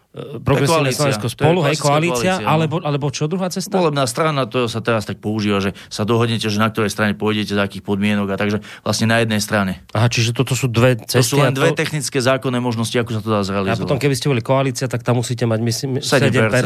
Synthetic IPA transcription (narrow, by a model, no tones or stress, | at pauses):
pɾɔɡɾɛsalɛslɔʋɛ̃kɔspɔluɦɛjskɔaliːat͡slɪaʔalɛbɔʔalɛbɔt͡ʃɔd̪ɾuɦaːt͡sɛst̪aɔlɛbnaːst̪ɾanat̪ɔsat̪ɛɾast̪ak̚pɔuʒiːʋaʒɛ | sad̪ɔɦɔd̪ɲɛcɛʒɛnak̚t̪ɔɾɛjst̪ɾaɲɛpɔjɟɛcɛzaːkiːxpɔd̪mɪɛnɔɡat̪aɡʒɛ | ʋlasɲɛnajɛd̪nɛjst̪ɾaɲɛaɦat͡ʃiʒɛt̪ɔt̪ɔsuːd̪ʋɛt͡sɛssuːlɛnd̪ʋɛt̪ɛxnit͡skɛːzaːkɔnːɛːmɔʒnɔsciakusat̪ɔd̪aazɾɛaliazɔpɔt̪ɔmkɛbiscɛbɔlikɔaliːt͡sɪat̪ak̚t̪amːusiːcɛmaɟmisimsɛɛmɟɛɛɾɛ